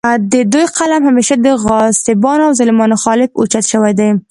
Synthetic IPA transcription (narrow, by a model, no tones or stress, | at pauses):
d̪əd̪ujqalamhameʃad̪əɣɑsɪbɑnawzalɪmɑnxɑlɪbo̰t͡ʃat̪ʃəwajd̪aj